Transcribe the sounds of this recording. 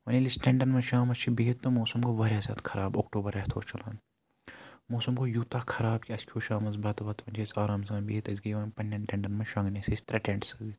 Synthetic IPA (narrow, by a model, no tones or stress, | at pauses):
ʋɐnilisʈẽɳɖɐnmɐnʃaːmɐst͡ʃʰibiɦit̪ːomoːsɐmkoʋɐɾʲeːsɐ̰ːt̪ʰkʰɐɾaːboːkʈoːbɐɾɐɦt̪ʰo̰ːt͡ʃʰɐla̰ːn | moːsɐmkojuːt̪akʰɐɾaːbkʲiɐskʰjoːʃaːmɐzbɐt̪bɐt̪ʋɐnt͡ʃʰesaːɾɐːmsɐːbiɦit̪ɐzɡijʋɐnpɐnʲːɐnʈʲẽɳɖɐnmɐnʃɐ̃ŋɡnesest̪ɾɐʈẽɳʈsɐɡit̪